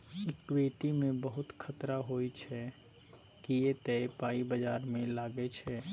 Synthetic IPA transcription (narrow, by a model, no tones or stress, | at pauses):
ɪkweːʈimẽbəɦʊt̪kʰɐt̪ɾaɦoːit͡ʃʰɛ | kijet̪ɛepaːibəd͡ʒaːɾmẽlaːɡet͡ʃʰɛː